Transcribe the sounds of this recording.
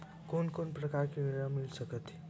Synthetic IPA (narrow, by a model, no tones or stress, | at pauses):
konkonpɾəkaɾkiʋiɾamilsəkət̪